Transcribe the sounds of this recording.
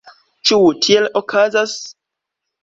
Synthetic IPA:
t͡ʃutʰielokʰazas

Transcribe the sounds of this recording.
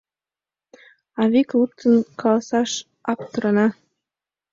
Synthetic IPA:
ɑβiklˠut̪ːɤnkʰɑlˠɑsɑʃ | ɑpt̪ɤ̆ɾɑ̆nɑ

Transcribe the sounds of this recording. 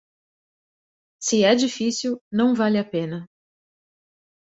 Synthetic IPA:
sɪɛd͡ʒifisiwnɐ̃w̃valɪapẽnɐ

